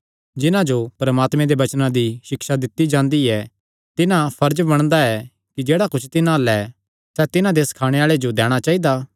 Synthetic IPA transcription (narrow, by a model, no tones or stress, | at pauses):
d͡ʒɪnãd͡ʒopɾɐmaːt̪mẽd̪eʋɐt͡ʃnãd̪iʃɪkʃad̪ɪt̪id͡ʒãːnd̪iɛ | t̪ɪnãpʰɐɾd͡ʒbɐɽ̃d̪aɛ | kid͡ʒeːɽakʊt͡ʃʰt̪ɪnãlɛ | sɛt̪ɪnãd̪eːskʰaːɽ̃eaːɭed͡ʒod̪ɛːɽ̃at͡ʃaːid̪aː